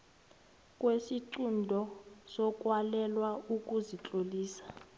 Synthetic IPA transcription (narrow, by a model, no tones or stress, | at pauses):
kʼwesiǀundʱɔsɔkʼwalɛlwaukʼuzit͡ɬʼoliːsḁ